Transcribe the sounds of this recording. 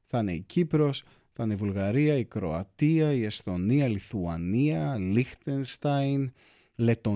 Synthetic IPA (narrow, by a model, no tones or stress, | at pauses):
θɐneicipɾo̞s | θɐneivulɣɐɾiɐikɾo̞̰ɐt̪iɐiest̪o̞niɐliθuɐniɐlixt̪enst̪ɐjn | le̞t̪o̞